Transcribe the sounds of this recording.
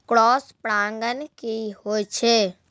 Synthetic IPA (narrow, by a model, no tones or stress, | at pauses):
kɽɔːspɽãŋɡənkiɦojt͡ʃʰe